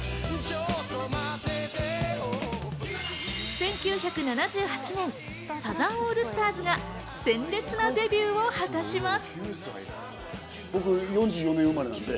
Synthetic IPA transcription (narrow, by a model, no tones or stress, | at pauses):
sẽ̞ŋkʲɨːçakɯ̟nanad͡ʑɨːhat͡ɕinẽ̞n | sazãɰ̃oːɾɯ̟sɨ̥t̪aːzɨɡa | sẽ̞nɾe̞t͡sɨnad̪e̞bʲjɨːo̞hat̪aɕimasɨ̥ | bo̞kɯ̟jõ̞ɲ̟d͡ʑɨːjo̞nẽɯmaɾenãnd̪e